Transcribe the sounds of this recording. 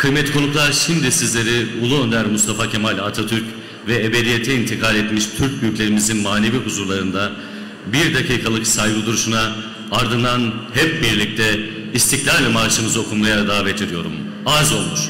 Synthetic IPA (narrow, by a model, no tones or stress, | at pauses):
kʰɯjmɛt̪kʰo̞nuklˠaʃimd̪isizlʲe̞ɾiulˠuø̞nd̪æɾmust̪ʰafacʰemalʲat̪ʰat̪ʰyɾc | vɛebe̞d̪ije̞t̪ʰɛint̪ʰikʰalʲɛt̪miʃt̪ʰyɾc̚byjycʲlʲe̞ɾimizinmaːne̞viɦuzuɾlˠaɾɯnd̪a | biɾd̪akʰiːkʰalˠɯksajɡud̪uɾuʃuna | aɾd̪ɯnanhɛp̚biɾlʲic̚t̪ʰɛ | ist̪ʰiclʲaɾlʲɛmaɾʃɯmɯzɯo̞kʰunmajad̪aːbet̪ʰiɾijo̞ɾum | azo̞lˠmuʃ